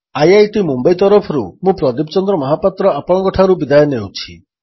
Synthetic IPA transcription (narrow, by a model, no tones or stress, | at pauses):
ajajʈimumbajt̪ɔɾɔpʰɔɾṵmũpɾɔd̪ipɔt͡ʃɔnd̪ɾɔmɔɦapat̪ɾɔapɔɽ̃ɔŋkɔʈʰaɾubid̪ajɔnewt͡ʃʰi